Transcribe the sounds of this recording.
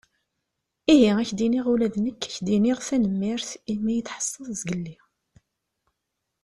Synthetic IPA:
iɦiæçd̪iniʁulæðnəkːæçd̪iniʁθænəmːɪɾθimæjət̪ħə̥sˤːəðˤzɡəlːi

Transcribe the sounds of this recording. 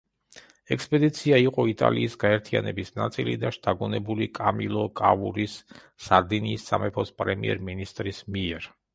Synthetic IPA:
ɛkspʼɛd̪it̪sʰiaiqʼɔit̪ʼa̰liːsɡaɛɾt̪ʰia̰nɛbisnat̪sʼilid̪aʃt̪ʰaɡunɛbulikʼamilˠɔkʼavuɾisː | aɾd̪iniːsːamɛpʰɔspʼɾɛmiɛ̰ɾminist̪ʼɾismiɛɾ

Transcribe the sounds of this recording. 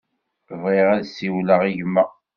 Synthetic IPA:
vʁiʁæðsiwləʁiʝmːæ

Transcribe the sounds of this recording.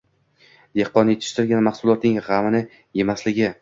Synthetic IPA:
d̪̥ehqɒnjet̪ʰɪ̥ʃt̪ɪɾɡʲanmaχsʊlˠɒt̪nɪŋʁamɪnɪ | je̞maslɪɡʲɪ

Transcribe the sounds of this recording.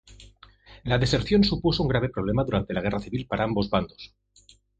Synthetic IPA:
laðe̞se̞ɾθjo̞nsupusouŋɡɾaβ̞e̞pɾo̞β̞le̞maðuɾant̪e̞laɣe̞raθiβilpaɾaambo̞zβand̪o̞s

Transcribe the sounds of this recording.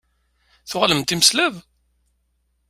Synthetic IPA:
θʊʁləmt̪iməslæv

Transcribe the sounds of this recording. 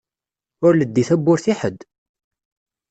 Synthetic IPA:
ʊɾləd̪ːiθæbːʊɾθiħəd̪

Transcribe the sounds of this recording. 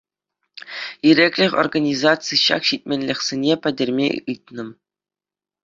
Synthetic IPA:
iɾʲekʲlʲɘ̆xʲo̰rɡanʲizɑsɨjɕɑ̰kɕit̚ʲmʲenʲlʲɘ̆xʲsʲenʲepʲɘ̆dʲɘ̆rʲmʲḛɯt̪̚ʲnɤ̆m

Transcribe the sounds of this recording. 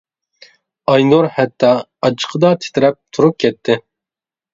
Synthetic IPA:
ɑjnoɾhɛt̪ʰːɑ | ɑt͡ʃʰə̥qʰəd̪ɑt̪ʰe̥t̪ʰɪɾɛp̚t̪ʰuɾup̚kʲʰɛt̪ʰːɪ

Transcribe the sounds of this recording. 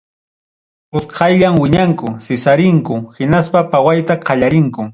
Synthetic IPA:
ʊsqʰɑjʎamwɪɲaŋkʊsɪsaɾɪŋkʊhɪnaspapawajt̪aqʰɑʎaɾɪŋkʊ

